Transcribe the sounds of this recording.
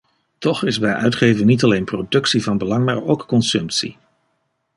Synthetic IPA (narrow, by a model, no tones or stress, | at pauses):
tɔχɪzbɛjʔœ̰ɥtχejvəŋnitɑlejnprowdɵksivɑnbəlɑŋmaːɹo̰wkːɔnsɵmtsḭ